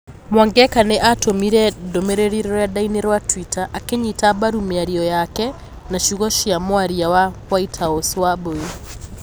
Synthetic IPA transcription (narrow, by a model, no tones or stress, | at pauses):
mwaŋɡɛkaneʔatomiɾɛdomeɾeɾiɾɔɾɔjadaineɾwatwitaʔakeɲitabaɾumeaɾiɔjakɛ | naʃuɣɔʃiamwaɾiawawaitʰaoswaboi